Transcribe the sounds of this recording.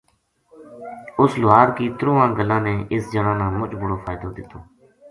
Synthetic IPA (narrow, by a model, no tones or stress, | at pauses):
ʊslʊɦaːɾkiːt̪ɾuːãːɡəlãːnẽːʔɪsd͡ʒəɽãːnãːmʊt͡ʃbʊɽoːfʰaːɪd̪oːd̪ɪt̪oː